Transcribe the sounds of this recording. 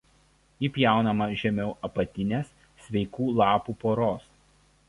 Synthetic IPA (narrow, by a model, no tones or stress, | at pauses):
iːpʲjæˑʊnɐmɐʒʲɛmʲɛʊʔɐpɐt̪ʲɪnʲeːsːʲ | ʋʲɛɪkuːlˠɑːpuːpoːɾoːs